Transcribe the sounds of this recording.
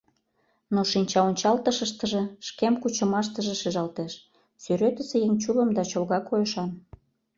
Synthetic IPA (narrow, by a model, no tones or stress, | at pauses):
noʃinʲt͡ɕɑonʲt͡ɕɑlt̪əʃə̆ʃt̪əʒĕʃkemkut͡ɕə̆mɑʃ̬t̪ə̆ʒeʃeʒɑlt̪eʃ | syɾøt̪ə̆sĕjeŋt͡ɕuləmd̪ɑt͡ɕolɣɑkojəʃɑn